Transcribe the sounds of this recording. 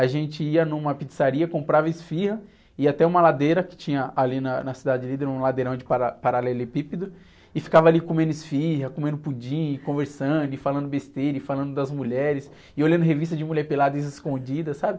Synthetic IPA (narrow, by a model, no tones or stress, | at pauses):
aʒẽnt͡ʃɪiɐnũmɐpit͡ʃi̥saɾiɐkõmpɾavɐɪsfihɐ | iat̪ɛũmɐlad̪ejɾɐkɪ̥t͡ʃĩɲɐalinɐnɐsid̪ad͡ʒɪd͡ʒɪlid̪eɾũlad̪eɾɐ̃w̃d͡ʒɪpaɾapaɾalɛlʊɪpipid̪ʊ | ɪfi̥kavɐalikomẽnd̪ʊɪsfiɦɐkomẽnd̪ʊpud͡ʒĩɲɪkõveɾsɐ̃nd̪ʊɪfalɐ̃nd̪ʊbest̪eɾjʊɪfalɐ̃nd̪ʊd̪ɐzmuʎɛɾɪs | ɪolʲjɐ̃nd̪ʊɦevist̪ɐd͡ʒɪmuʎɛɾpelad̪ɐɪzɪskõd͡ʒid̪ɐsabɪ